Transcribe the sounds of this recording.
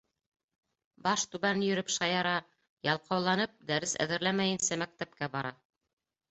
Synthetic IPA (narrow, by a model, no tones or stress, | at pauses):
bɑʃt̪ʉβænjɵ̆ɾɵpʃɑjɑɾɑ | jɑlˠqʰɑwlˠɑnɤp̚d̪æɾɘsæ̰ðɘ̆ɾlæmæjɘnsæmæk̚t̪æp̚kæbɑɾɑ